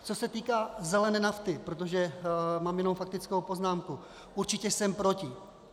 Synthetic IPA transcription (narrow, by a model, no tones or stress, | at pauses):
t͡so̞sɛt̪iːkaːzɛlɛnɛːnaft̪ɪpɾot̪̬o̞ʒɛmaːmjɛnomfak̚t̪ɪt͡skowpo̞znaːmku | uɾt͡ʃɪcɛsɛmpɾocɪ